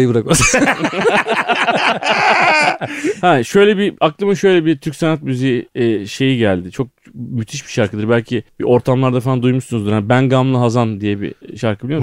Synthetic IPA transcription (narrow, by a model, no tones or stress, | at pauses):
jbɯɾaka | hæʃø̞jlʲɛbiaklˠɯmɯʃø̞jlʲɛbit̪ʰyɾcʲsenat̪̚myzijiːʃe̞jiɟælʲd̪ɪt͡ʃʰo̞k̚ | myt̪ʰiʃbi̥ʃaɾkʰɯd̪ɯɾbælʲcʰibḭʔo̞ɾt̪ʰamlˠaɾd̪afand̪ujmuʃsunzuɾanibænɡamlˠɯɦazand̪ijɛbḭʃaɾkʰɯbilʲijo